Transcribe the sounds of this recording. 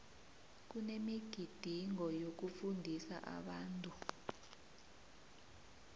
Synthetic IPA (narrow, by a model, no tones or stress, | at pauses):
k̬unemiɡ̥ʱid̥ʱiŋɔjok̬ufundʱisa̰ʔa̰ɓaːntʼu